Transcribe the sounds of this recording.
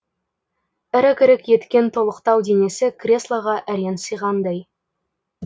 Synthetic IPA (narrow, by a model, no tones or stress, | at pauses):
ɪɾɪkʲɪɾɪkje̞t̪kʲe̞nt̪ʰo̞lˠəqt̪ɑwd̪e̞ne̞sɪkʰrʲe̞slˠɑʁɑʔæɾe̞nsəjʁɑnd̪ɑj